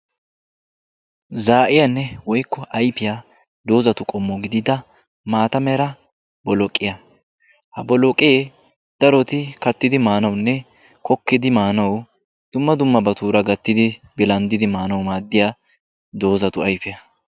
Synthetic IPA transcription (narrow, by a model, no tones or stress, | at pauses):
zaːʔɪjɐnːɛwɔjkːɔʔɐjpɪja | d̪o̞ːzɐt̪ʊkʼɔmːɔɡɪd̪ɪd̪ɐ | maːt̪ɐmɛɾɐ | bɔlɔkʼːɪjɐ | hɐbɔlɔkʼɪje | d̪̥ɐɾɔt̪ɪkɐt̪ːɪd̪ɪmaːnɐwnːɛ | kʰɔkːɪd̪ɪmaːnɐw | d̪̥ʊmːɐd̪ʊmːɐbɐt̪uːɾɐɡɐt̪ːɪd̪ɪbɪlɐnd̪ɪd̪ɪmaːnɐwmaːd̪ːɪjaː | d̪o̞ːzɐt̪ʊɐjpɪjɐ